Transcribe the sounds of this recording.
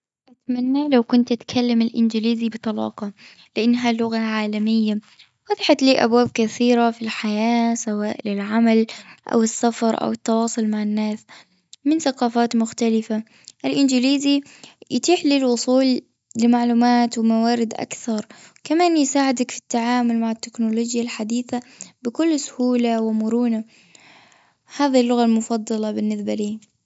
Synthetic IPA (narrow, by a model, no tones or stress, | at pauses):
ʔat̪manːaːlawkʊnt̪ʔat̪kʰalːamɪlʔɪnd͡ʒɪliːzibɨt̪ˤɑlɑ̰ːqɑ | lɪʔanːɦalʊɣaʕaːlamɪjːa | wɑðˤɪħat̪liːʔa̰bwaːb̚kaθiːɾafilħajaːsawaːʔlɪlʕamalʔa̰wɪsːafɑɾˤʔa̰wɪt̪ːɑwɑːsˤʊlmaʕɪnːaːs | mɪnθaqɑːfaːt̪mʊxt̪alɪfa | ʔɪlʔɪnd͡ʒɪliːzijɪt̪iːħliːlwʊsˤuːl | lɪmaʕluːmaːt̪wɪmawaːɾɪd̪ʔa̰kθɑɾˤkamaːnjɪsaːʕɪd̪akfi̥t̪ːaʕaːmʊlmaʕɪt̪ːɪknoloːd͡ʒjalħad̪iːθabɪkʊlːsʊ̥huːlawɪmʊɾuːna | haːðɪlːʊɣalmʊfɑd̪ˤːɑlɑbɪnːɪsbaliː